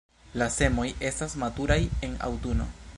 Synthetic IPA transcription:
lase̞mo̞je̞stasmatuɾaje̞na̰wtuno̞̰

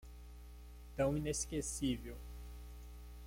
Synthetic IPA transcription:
t̪ɐ̃w̃ĩneskesivew

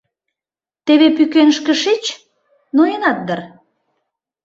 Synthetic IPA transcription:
t̪eβepykenʃkə̆ʃit͡ɕ | noenɑt̪̚d̪ər

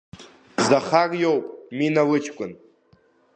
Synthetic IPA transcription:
zaχarʼjowpʼminawɨt͡ʃʰkʷʼʊn

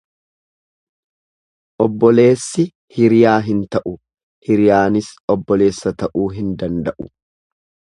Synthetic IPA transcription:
ʔɔbːɔle̞ːsːɪ | hɪɾɪjaːɦɪnt̪ɐʔʊ | hɪɾɪjaːnɪsɔbːɔle̞ːsːɐt̪ɐʔuːɦɪnd̪ɐnd̪ɐʔʊ̥

